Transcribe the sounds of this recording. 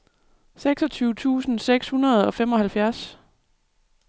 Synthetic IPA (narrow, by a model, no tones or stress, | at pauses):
seɡ̥sɒ̽t͡sʰyːʊt͡sʰṵːsn̩seɡ̥shunɐð̞̩ˠɒ̽femɒ̽hælfjæɐs